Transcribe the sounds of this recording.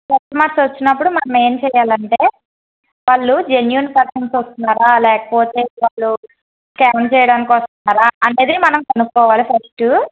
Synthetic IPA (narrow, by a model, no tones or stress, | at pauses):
pɐtːɐmaːɾsʋɐt͡ʃːinːɐpːuɽumɐnɐme̞ːmt͡ʃɛːjaːlɐɳʈe̞ː | ʋaːɭːud͡ʒe̞njuːnpɐɾkɐnsʋɐst̪unːaːɾaːlɛːkɐ̥poːt̪e̞ːʋaːɭːu | kaːnt͡ʃɛːjɐɽaːnikiʋɐst̪unːaːɾaːʔɐne̞ːd̪iimɐnɐmkɐnukːɔːʋaːlipʰɐsʈu